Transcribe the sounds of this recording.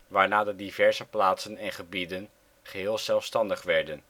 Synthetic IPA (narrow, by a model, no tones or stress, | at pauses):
ʋaːɹnaːdədivɛɹzəplaːtsənɛnχəbidən | χəɦɪːlˠzɛlˠfstɑndəχʋɛɹdən